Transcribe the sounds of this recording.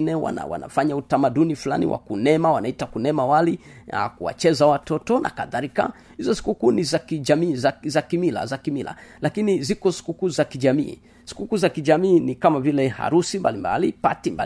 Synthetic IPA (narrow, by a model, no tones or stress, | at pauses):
nɛwa̰na̰wa̰na̰faɲautamaɗunifula̰nḭwʔa̰kunɛmawanaitakunɛmawali | a̰kuwa̰t͡ʃɛzawatɔtɔnʔa̰kaðaɾika̰ | hizɔsi̥kukuːnizakiʄamiːzazakimila̰zakimila̰lakinizikɔsi̥kukuzakiʄamḭː | si̥kukuːzakiʄamiːnikamavilɛha̰ɾusimbalimba̰lipa̰timba